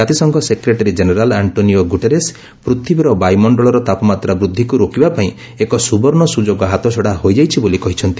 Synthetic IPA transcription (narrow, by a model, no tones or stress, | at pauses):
d͡ʒat̪isɔŋkɔsekɾeʈaɾid͡ʒeneɾalaɳʈonioɡuʈeɾes | pɾut̪ʰibiɾɔbajmɔɳɖɔɭɔɾɔt̪apɔmat̪ɾabɾud̪ʱːikuɾokibapaĩ | ekɔsubɔɾɳɔsud͡ʒoɡɔɦat̪ɔt͡ʃʰɔɽaɦojd͡ʒajt͡ʃʰibolikɔɦit͡ʃʰɔnt̪i̥